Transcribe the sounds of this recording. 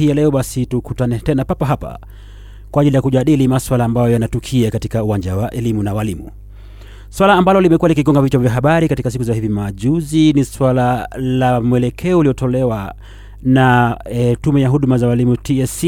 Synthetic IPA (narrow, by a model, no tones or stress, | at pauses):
ijalɛɔɓasitukutanɛtɛnapapaɦapa̰ | kwaːʄilijakuʄaɗilimaswalaːmbajɔjanatukʰiakatikauwaɲd͡ʒawaʔɛlimunawalimṵ | swalaːmbalɔlimɛkuwalikiɡɔŋɡavit͡ʃavjaɦaɓaɾikatikasikuzahivimaʄuziniswalalamuɛlɛkʰɛɔuliɔtɔlɛwa | na | tumɛjaɦuɗumazawalimutiɛs